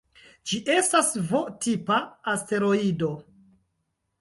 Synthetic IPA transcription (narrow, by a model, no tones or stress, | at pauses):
d͡ʒiʔe̞stasvotipaːste̞ɾo̞ido̞